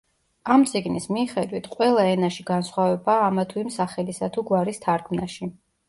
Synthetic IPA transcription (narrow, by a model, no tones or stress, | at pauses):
amt̪sʼiɡnismiːχɛd̪wit̪ʰqʼwɛlˠaɛnaʃiɡansχwavɛbaːmat̪ʰuimsaχɛlisat̪ʰuɡwaɾist̪ʰaɾkʰmnaʃi